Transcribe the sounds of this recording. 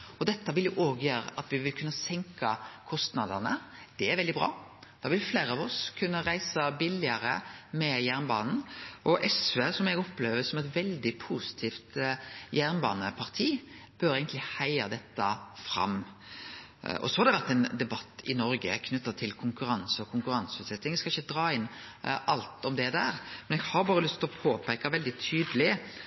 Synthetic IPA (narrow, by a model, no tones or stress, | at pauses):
ɔd̪ɛt̪ːəʋɪljʊʔoːɡjøːɾə̰ʔɑt̪ʋɪʋɪlkʰʉnːəsɛŋkɑkʰɔst̪nɑd̪əʁnə̰d̪̥ɛæɾʋɛld̪ɪbʁɑ̰ːd̪̥ɑːʋɪlfleːɾəɑʋɔskʰʉnːəɾæɪsəbɪlɪəɾəmɛjæʁnbɑ̰ːnn̩ʔɔʔɛsʋeːsɔmɛɡɔpːleːʋəsɔmɛt̪ʋɛld̪ɪpʰuːsɪ̥t̪ʰiːft̪jæʁnbɑ̰ːnəpʰɑʁt̪ʰiːb̥øːɾæɪɡənlɪhæɪəd̪ɛt̪ːəfɾɑ̰m | ɔ̰sɔhɑɾd̪ɛʋæʁt̪ɛɪnd̪ɛbɑt̪ːɪ̰nɔɾɡə̰kʰnʉt̪ːət̪ʰɪlkʰʊŋkʉɾɑnsəɔkʰʊŋkʉɾɑnsəʉːt̪sɛt̪ːɪŋskɑɪçːəd̪ɾɑːɪnʔɑlt̪ɔmd̪ɛd̪æːɾmɛnɛɡhɑɾbɑːɾəlʏst̪ʰɔpʰoːpʰɛkːɑʋɛld̪ɪt̪ʰyːd̪əlɪ